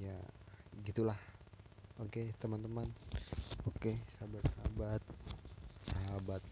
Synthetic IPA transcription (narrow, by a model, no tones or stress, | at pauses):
jaɡit̪ulah | oket̪əmant̪əman | okesaɦabat̪̚saɦabat̪̚saɦabat̪̚